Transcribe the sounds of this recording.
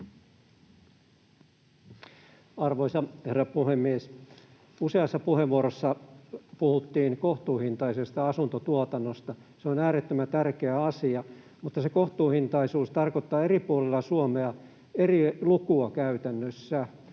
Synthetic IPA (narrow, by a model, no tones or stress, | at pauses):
ɑrʋoisɑherːɑpuhemːies | useɑsːɑpuheʋʋuoɾosːɑpuhut̪ːiːnkoht̪uːhint̪ɑise̞st̪ɑɑsunt̪ot̪uot̪ɑnːost̪ɑseonæːɾet̪ːømæt̪ærkeæɑsiɑ | mut̪ːɑseko̞ht̪uːhint̪ɑisuːst̪ɑrkot̪ːɑːeɾipuolelːɑsuomeɑ | e̞rilukuɑkæyt̪ænːøsːæ